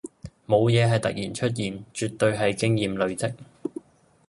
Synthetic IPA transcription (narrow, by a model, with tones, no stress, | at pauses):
mo˨˧wjɛː˨˧ɦɐ˨˩jt̪ɐ̰˨k̚jiː˨˩nt͡ʃʰɵ˥t̬̚jiː˨nt͡ʃyː˨t̚t̪ːɵ˧ɥɦɐ˨jkɪ˥ŋjiː˨mlɵ˨˧ɥt͡sɪ˥k̚